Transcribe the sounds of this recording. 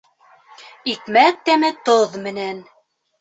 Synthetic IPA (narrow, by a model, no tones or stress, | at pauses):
ikmæt̪ːæmɘt̪oðmɘ̆næn